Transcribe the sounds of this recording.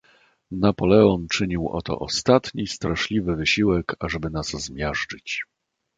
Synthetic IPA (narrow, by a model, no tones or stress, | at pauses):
napɔlɛɔnt͡ʂɘɲiwʔɔ̰t̪ɔ̰ʔɔst̪at̪ɲist̪ɾaʂlʲivɘvɘɕiwɛkaʐɛbɘnazzmʲjaʐt͡ʂɘt͡ɕ